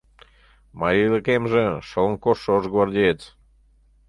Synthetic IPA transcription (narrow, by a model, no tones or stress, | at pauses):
mɑɾʲiləkemʒeʃələŋkoʃːooʒɣβɑrd̪ʲeet̪